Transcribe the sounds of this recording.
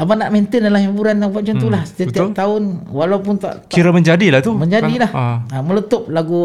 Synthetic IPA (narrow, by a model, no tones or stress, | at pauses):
abanaʔment̪əndalahibuɾanjaŋbat͡ʃant̪ulahst̪ət̪t̪aʊnwalawpʊnt̪a̰ʔt̪kiɾaməɲd͡ʒadilaht̪umə̃ɲd͡ʒadilahamələt̪op̚laɡu